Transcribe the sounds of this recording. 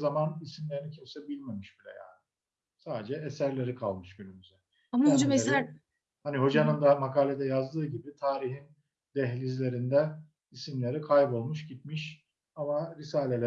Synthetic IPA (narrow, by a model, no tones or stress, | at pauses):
zamanisimlʲeɾinicʰøsebilʲmemiʃbilʲɛ̰ja̰ːnɪ | saːd̪ed͡ʒɛesæɾlʲe̞ɾikʰalˠmɯʃɟynymyzɛ | amad͡ʒame | haniɦo̞d͡ʒanɯnd̪amakʰaːlʲed̪ɛjazd̪ɯːɟibit̪ʰaːɾiɦin | d̪̥ɛɦlʲizlʲe̞ɾind̪ɛ | isimlʲe̞ɾikʰajbo̞lˠmuʃɟit̪̚miʃ | amaɾisaːlʲelʲæ